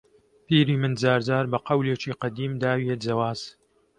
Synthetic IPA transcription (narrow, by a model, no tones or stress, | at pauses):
piːɾiːmɨnzaːɾzaːɾbɐqɐwleːt͡ʃiːqɐd̪iːmd̪aːwied͡zɐwaːz̥